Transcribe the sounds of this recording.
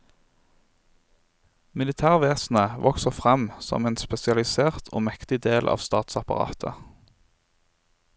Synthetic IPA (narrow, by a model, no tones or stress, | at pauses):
mɪlɪt̪ʰæːʁʋeːsn̩əʋʔɔksəʁfʁɛmsɔ̰meːnspɛsɪɑlɪseːʁt̪ʰo̰ːmɛkt̪ɪd̪eːlʔɑ̰ːʋst̪ɑːt̪sɑpɑʁɑ̰ːt̪ʰə